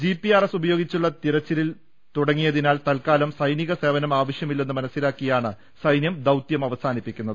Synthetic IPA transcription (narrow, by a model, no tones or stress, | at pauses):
d͡ʑipːiaːresubɐjoːɡit͡ɕːuɭːɐt̪iɾɐt͡ɕːilil | t̪uɽɐŋːijɐðinaːlt̪ɐlkaːlɐmsɐjniɣɐse̞ːʋɐnɐmaːʋɐʂjɐmilːe̞nːɨmɐnɐsːilaːkːijaːɳɨ | sɐjnjɐmd̪ɐwt̪jɐmɐʋɐsaːnipːikʲːunːɐðɨ